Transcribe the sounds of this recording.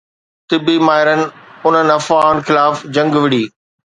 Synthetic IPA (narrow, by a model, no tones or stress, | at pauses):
t̪ɪbimaːɪɾənɪ̆ʊn̤ənɪ̆ɐfaːʊn̆xɪlaːfd͡ʑɐ̃ŋɡʋɪɽiː